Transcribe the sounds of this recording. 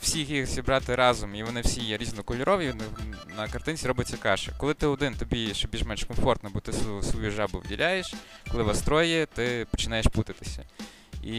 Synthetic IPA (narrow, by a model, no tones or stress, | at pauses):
wsʲixjixzʲibɾɑt̪ɪɾɑzʊmiʋɔnɪwsʲijɛɾʲiznɔkɔlʲʊɾɔʋjinɪnɐkɐrt̪ɪnʲt͡sʲiɾɔbɪt͡sʲːɐkɑʃɪ̰kɔlˠɪt̪ɪɔd̪ɪnt̪ɔbʲiʃɔbʲiʒmɛlʲʃkɔmfɔrt̪nɔbɔt̪ɪsʋɔjuʒɑbʊʋdʲḭlʲajeʃ | kɔlˠɪʋɐst̪ɾɔjɛt̪ɪpɔ̥t͡ʃɪnɑjeʃput̪ɪt̪ɪ̥sʲɐ̰ | i